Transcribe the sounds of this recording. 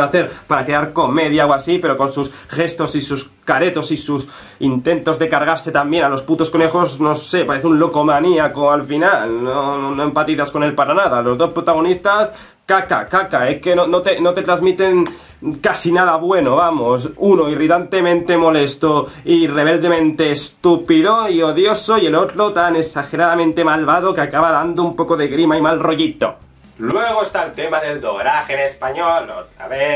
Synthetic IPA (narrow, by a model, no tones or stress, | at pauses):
aθe̞ɾpaɾake̞aɾko̞me̞ðjaowasipe̞ɾo̞ko̞nsus | xe̞st̪o̞sisus | kaɾe̞t̪o̞sisus | int̪e̞nt̪o̞zðe̞kaɾɣ̞aɾse̞t̪ambjenalo̞sput̪o̞sko̞ne̞xo̞sno̞se̞paɾe̞θeũnlo̞ko̞maniakoalfinalnoonoe̞mpat̪iθasko̞ne̞lpaɾanaðalo̞zðo̞spɾot̪aɣ̞o̞nist̪as | kaka̰kakaeke̞nonot̪e̞no̞t̪e̞t̪ɾazmit̪e̞ŋ | kasinaðaβwe̞noβamo̞s̬uno̞irit̪ant̪e̞mẽnt̪e̞mo̞le̞st̪oire̞β̞e̞ld̪e̞mẽnt̪eːst̪upiðoioðjo̞soie̞lo̞t̪ɾot̪ane̞ksaxe̞ɾaðamẽnt̪e̞malβað̞okeakaβaðand̪oumpo̞ko̞ðeɣɾimaimalro̞ʝit̪o̰ | lwe̞ɣ̞oest̪aelt̪emaðe̞ld̪oɾaxenespaɲolot̪ɾa̰βe